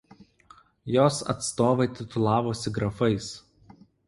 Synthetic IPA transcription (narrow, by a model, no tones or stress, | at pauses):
joːsɐ̰t̪st̪oːʋɐɪt̪ʲɪt̪ʊlˠɑːʋoːsʲɪɡɾɐfɐɪs